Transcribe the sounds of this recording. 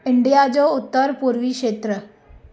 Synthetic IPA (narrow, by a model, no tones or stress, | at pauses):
ɪɳɖijaːd͡ʒoːʊt̪ːəɾpuːɾʋiːkʃeːt̪ɾə